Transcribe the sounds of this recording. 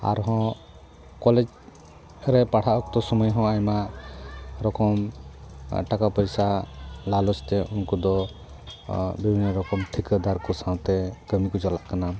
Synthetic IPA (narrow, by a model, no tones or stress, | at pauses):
a̰ɾɦɔ̃ | kɔled͡ʒ | ɾɛpaɽʰaʔɔk̚t̪ɔsɔmɔjɦɔ̃ajma | ɾɔkɔm | ʈakapəjsalalɔst̪ɛʔunkɔd̪ɔ | bibʱinːɔɾɔkɔmʈʰikəd̪aɾkɔsãw̃t̪ɛɡəmikud͡ʒɔlaʔkana